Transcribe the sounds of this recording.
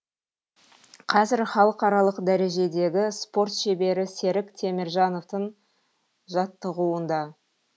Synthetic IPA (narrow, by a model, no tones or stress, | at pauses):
qʰɑzɪɾχɑlˠəqɑɾɑlˠəqd̪æɾe̞ʒe̞d̪e̞ɡʲɪspo̞rt̪ʃe̞be̞ɾɪse̞ɾɪkt̪ʰe̞mɪɾʒɑno̞ft̪əɴ | ʒɑt̪ːəʁuwənd̪ɑ